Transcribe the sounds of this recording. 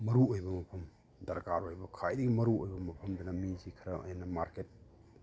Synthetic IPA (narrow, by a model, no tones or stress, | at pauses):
mɐɾuojbɐmɐpʰɐm | dɐɾkaɾojbɐkʰajdɐɡimɐɾuojbɐmɐpʰɐmdɐnɐmizikʰɐɾɐʔɐ̰jnɐmaɾket̚